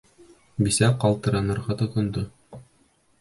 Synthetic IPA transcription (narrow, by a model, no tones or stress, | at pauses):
bisæqɑlˠt̪ɤ̆ɾɑnɤ̆ɾʁɑt̪ŏt̪ŏnd̪o